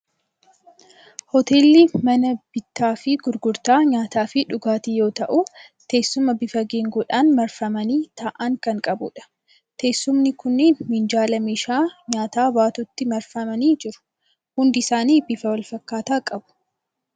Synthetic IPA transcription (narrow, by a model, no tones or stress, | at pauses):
hɔt̪e̞ːlːiːmɐnɐb̥ɪt̪ːaːfɪɡʊɾɡʊɾt̪aːɲaːt̪aːfɪᶑʊɡaːt̪ijo̞ːt̪ɐʔut̪e̞ːsːʊmɐbɪfɐɡeːŋɡuᶑaːnmɐɾfɐmɐniːt̪aːʔaːŋkɐŋkʼɐbʊ̰ᶑɐ̥ | t̪ʰe̞ːsːʊmnɪkʊnːeːnmɪnd͡ʒaːlɐmiːʃaːɲaːt̪aːbaːt̪ʊt̪ːɪmɐɾfɐmɐniːd͡ʒɪɾʊ̥ | hʊnd̪ɪɪsaːniːbɪfɐwɐlfɐkːaːt̪aːkʼɐbʊ̥